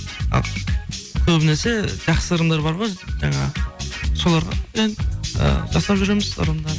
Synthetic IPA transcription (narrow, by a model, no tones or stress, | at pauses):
ɑ̰l | kʲʰɵbɪnese̞ʒɑχsəəɾənd̪ɑɾbɑɾʁojʒɑɴɑ̰so̞lˠɑɾʁɑ̰enə̰ʒɑsˠɑpʒʏɾemɪzə̰ɾəmd̪ɑɾ